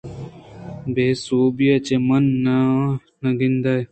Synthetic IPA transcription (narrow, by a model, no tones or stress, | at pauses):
beːsoːbijat͡ɕemɐnːa | nɐɡind̪aːj